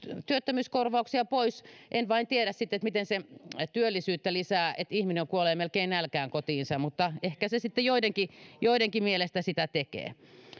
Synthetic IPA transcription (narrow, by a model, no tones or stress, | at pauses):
t̪yøt̪ːømyːskorʋɑuksiɑpoisʔenʋɑint̪ieɾæssit̪ːet̪mit̪enset̪yølːisyːt̪ːælisæːet̪ihmineoŋkuoleːmelkeinnælkæːŋkot̪iːnsɑmut̪ːɑehkæsesit̪ːejoideŋkijoideŋkimielest̪æsit̪æt̪ekḛː